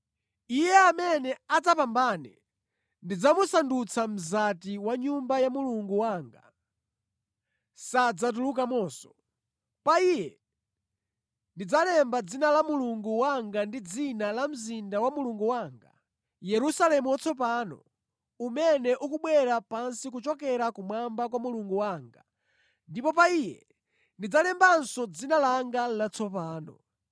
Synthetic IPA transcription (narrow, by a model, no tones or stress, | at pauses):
ijɛamɛnɛad͡zapambanɛ̰ | ndid͡zamusandut͡sʰam̩zatiwaɲumbajamuluŋɡuwaːŋɡa | sad͡zat̬uluk̬amɔːsɔ̥ | paijɛ | ndid͡zalɛmbad͡zinalamuluŋɡuwaŋɡandid͡zinalam̩zindawamuluŋɡuwaːŋɡa̰ | jɛɾusalɛmuwat͡sʰɔp̬aːnɔ̰ | umɛnɛʔukuɓwɛɾapansik̬ut͡ʃɔkɛɾakumwambakwamuluŋɡuwaːŋɡa | ndipɔp̬aijɛ | ndid͡zalɛmbansɔd͡zinalaŋɡalat͡sʰɔpaːnɔ̰